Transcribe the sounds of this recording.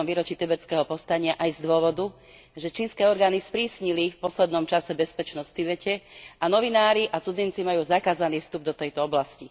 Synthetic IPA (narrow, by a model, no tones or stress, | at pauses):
mʋiːɾɔt͡ʃit̪ɛbɛt͡skɛːɦɔpɔst̪aɲɪaʔajzd̪ʊɔʋɔd̪u | ʒɛt͡ʃiːnskɛːɔɾɡaːnispɾiːsɲilifpɔslɛd̪nɔmt͡ʃasɛbɛspɛt͡ʃnɔst̪iʋɛcɛanɔʋinaːɾiʔat͡sud͡zint͡simajuːzakaːzaniːfst̪ub̚d̪ɔt̪ɛjt̪ɔɔblasci